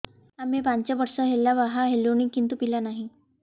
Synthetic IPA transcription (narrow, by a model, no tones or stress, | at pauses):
amipaɲt͡ɕjaʋəɾsəɦelːaʋaɦaɦeloɽ̃ikint̪uːpilanaɦi